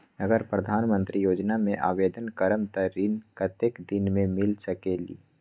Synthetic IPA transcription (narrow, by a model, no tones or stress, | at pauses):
əɡəɾpɾəd̪ʱaːnmə̃nt̪ɾijoːd͡ʒnamẽʔa̰ːʋeːd̪ənkəɾəmt̪əɾiːnkət̪ekd̪ɪnmẽmɪlsəkelḭː